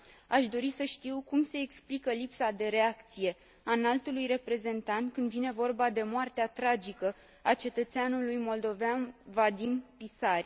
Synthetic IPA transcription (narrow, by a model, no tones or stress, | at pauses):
aʃd̪o̞ɾisəʃt̪iwkumse̞ːksplikəlipsad̪e̞ɾe̞akt̪sije̞ | analt̪ulujre̞pɾe̞ze̞nt̪ant̪kɨnd̪vine̞vo̞rbad̪e̞moart̪eat̪ɾad͡ʒikə | at͡ʃe̞t̪ət̪seanulujmo̞ld̪o̞veanvad̪impisarʲ